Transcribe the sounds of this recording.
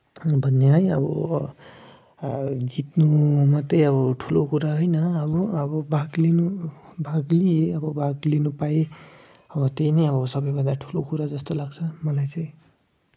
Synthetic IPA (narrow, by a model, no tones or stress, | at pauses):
bʱʌnːeɦʌj̃ʌ̰bʌ̰ | d͡zit̪numʌt̪ʌʌβʌʈʰulokuɾaɦojnʌʌbʌːbʌbaɡlinubʱaɡlieʌbʌbʱaɡlinupae | ʌbʌt̪ejnʌjʌβʌsʌbʌjbʱʌnd̪aʈʰu̥lokuɾad͡zʌst̪olaɡt͡sʰʌmʌlajt͡sʌj̃